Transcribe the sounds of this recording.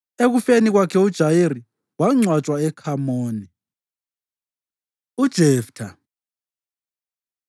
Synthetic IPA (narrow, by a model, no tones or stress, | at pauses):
eɣufeniɣwakʰɛud̥ʒ̥ʱajiɾi | waŋ͡ǀwḁt͡ʃʼwaɛkʰamoːni | ud̥ʒ̥ʱɛːftʰa